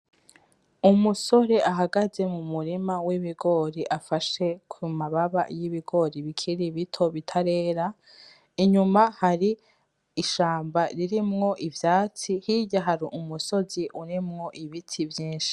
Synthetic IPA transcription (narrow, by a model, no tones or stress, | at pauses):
umuso̞ɾe̞ʔaɦaɡaze̞mumuɾimawiβiɡo̞ɾiʔafaʃe̞kʰumaβaβa̰jiβiɡo̞ɾiβikʰiɾiβitʰo̞βitʰaɾe̞ːɾa | iɲumahaɾiː | ʃaːmbaɾiɾimŋo̞ʔivjaːt͡sihijaɦaɾiʔumuso̞ziʔuɾimŋo̞ʔiβitʰivjiːnʃi̥